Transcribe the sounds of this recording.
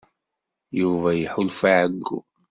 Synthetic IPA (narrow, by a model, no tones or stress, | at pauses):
juvajħʊlfaʕaɡːṵ